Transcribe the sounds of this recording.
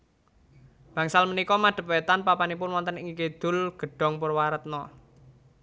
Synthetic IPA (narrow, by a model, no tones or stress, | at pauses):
b̥ä̤ŋsalmənikɔmaɖ̪̥ə̤p̚wɛt̪anpapanipʊnwɔnt̪əniŋiked̪̥ʊ̤lɡ̥ə̤ɖ̥ɔ̤ŋpʊrwaɾət̪̚nɔ